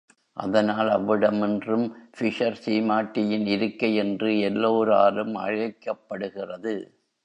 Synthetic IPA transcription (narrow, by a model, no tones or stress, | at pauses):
ʔɐ̰ðɐnaːlɐʋːɪɽɐmɛndrɯmfɪʂɐɾsiːmaːʈːɪjɪnɪɾɯkːɐjɛndrɯɛlːoːɾa̰ːɾɯmɐ̰ɻɐɪkːɐpːɐɽɯɣɪrɐðɯ̰